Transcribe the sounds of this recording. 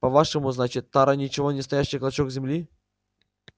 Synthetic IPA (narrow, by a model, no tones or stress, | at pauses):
pɐvaʂɨmʊznat͡ɕɪt̪ːaɾanʲɪt͡ɕɪvonʲɪst̪ɐjaɕːɪjklˠɐt͡ɕokzʲɪmlʲi